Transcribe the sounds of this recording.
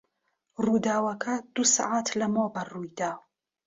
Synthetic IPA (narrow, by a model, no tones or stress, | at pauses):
ruːd̪aːwɐkʰɐd̪̥usa̰ʕat̪ʰlɐmobɐrujd̪aːw